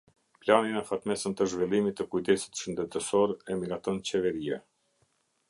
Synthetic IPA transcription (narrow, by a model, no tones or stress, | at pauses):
planinɛfat̪mɛsənt̪əʒvɛlˠimit̪ːəkujd̪ɛsi̥t̪ʃənd̪ɛt̪əsɔɾɛmiɾat̪ɔnt͡ɕɛvɛɾiɛ